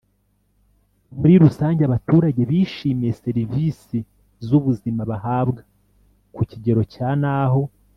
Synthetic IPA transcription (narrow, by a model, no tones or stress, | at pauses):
muɾiɾusaːɲɟeaβatuːɾaɟe̞βiːʃiːmije̞se̞ɾiviːsi | zuβuzimaβahaːbɡa | kuciɟe̞ɾo̞caːnaːɦo̞